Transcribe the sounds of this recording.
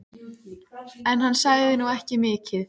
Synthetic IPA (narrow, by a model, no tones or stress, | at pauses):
ɛnɦansaɣðɪnuɛhcɪmɪːcɪθ